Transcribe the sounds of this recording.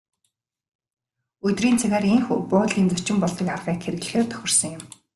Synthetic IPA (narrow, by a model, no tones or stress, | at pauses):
ɵt̪riːnt͡sʰaɣæːɾeŋxupʊːt̪ɮiːnt͡sʊt͡ɕɪ̆mpɔɮt̪ɞ̆karʁiːkxeɾɘ̆ɣɮ̆xeːrt̪ʰœ̥xʲɪ̆r̥sɞ̆ŋjʊ̆m